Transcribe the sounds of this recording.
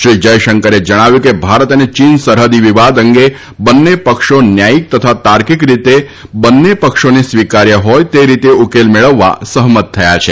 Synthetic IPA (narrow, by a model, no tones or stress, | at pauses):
ʃɾid͡ʒəjʃəŋkəɾed͡ʒəɽ̃aʋjukebʱaɾət̪ənet͡ʃinsəɾɦəd̪iʋiʋad̪əŋɡe | bənːepəkʃonjaik̚t̪ət̪ʰat̪aɾkikɾit̪e | bənːepəkʃonisʋikaɾjəɦɔjt̪eɾit̪eukelmeɭəʋːa̰səɦmət̪ʰːəjat͡ʃʰe